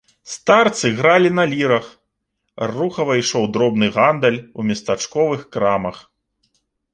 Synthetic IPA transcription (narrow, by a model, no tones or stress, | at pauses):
st̪art̪sɨɣɾalʲinɐlʲiɾɐx | ruxɐvɐiʂɔwd̪ɾɔbnɨɣand̪ɐlʲumʲɐst̪at͡ʂkɔvɨxkɾamɐx